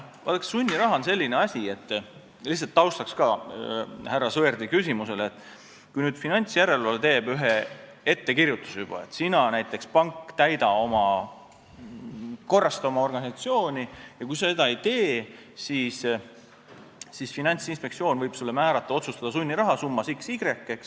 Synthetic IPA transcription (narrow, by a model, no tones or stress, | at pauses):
vɑ̰t̪ːɑksunʲːiɾɑɦɑonse̞lʲːineɑsʲie̞t̪ː | lihsɑlt̪ːɑwst̪ɑkskɑ | hærːɑsɤerd̪ikysʲimuse̞let̪ˑː | kujnyːd̪̥finɑnʲt̪sjæɾe̞lvɑlet̪e̞ːb̥yɦe̞ | e̞t̪ːe̞kirjut̪ːˑu̥sejub̥ɑ̰e̞t̪ːˑsinɑnæjt̪ˑːe̞kspɑŋkːt̪æjd̪ɑo̞mɑ | ko̞rːɑst̪ɑomɑo̞rɡ̥ɑnʲisɑt̪sio̞ːnʲijɑkujse̞d̪̥ɑe̞jt̪e̞ː | siːs | sisfinɑnʲt̪sinspe̞ktsio̞ːnvɤjb̥sulːemæːɾɑt̪ˑːɑo̞t̪sust̪ɑd̪̥ɑsunʲːiɾɑɦɑsumːɑsiksiɡɾe̞kːˑe̞ks